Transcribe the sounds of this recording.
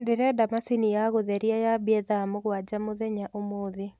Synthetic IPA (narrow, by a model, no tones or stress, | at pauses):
ndeɾeadamasinijaɣoðɛɾiajabiɛðamoɣwad͡ʒamoðɛɲaʔomoːðe